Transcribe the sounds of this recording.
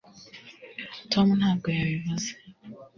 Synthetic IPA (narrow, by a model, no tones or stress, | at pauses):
tʰomunaːɡojaβiβaze̥